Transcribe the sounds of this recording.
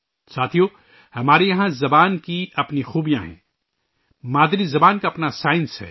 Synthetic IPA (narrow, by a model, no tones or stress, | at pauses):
saːt̪ʰijo | hɐmaːɾejɐɦãzɐbaːnkiɐpnixuːbijãɦɛ̰̃ː | maːd̪ɾizɐbaːnkaɐpnasaːɪ̃nsɦɛ̰ː